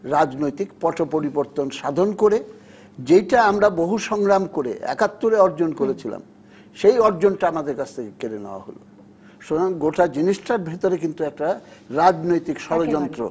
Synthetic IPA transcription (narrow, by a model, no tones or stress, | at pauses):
ɾad͡ʑnojt̪ikpɔʈopoɾiboɾt̪onʃad̪ʱonkoɾe | d͡ʑejʈaamɾaboɦuʃɔŋɾamkoɾḛʔɛ̰kat̪ːoɾeɔɾd͡ʑonkoɾet͡ɕʰila̰m | ʃejɔɾd͡ʑonʈaamad̪eɾkat͡ɕʰt̪ʰekekeɾeneoa̰ɦo̰lo | ʃonaŋɡoʈad͡ʑiniʃʈaɾbʱet̪oɾekint̪uɛk̚ʈaɾad͡ʑnojt̪ikʃɔɾod͡ʑɔnt̪ɾo̰